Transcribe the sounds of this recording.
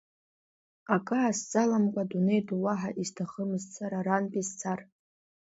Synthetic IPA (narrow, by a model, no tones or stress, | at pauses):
akʼɨʕasd͡zʼalamkʷʼadune̞jduwaħaʔiztʰaχəmɨzt͡sʰaɾaɾanpʼizt͡sʰar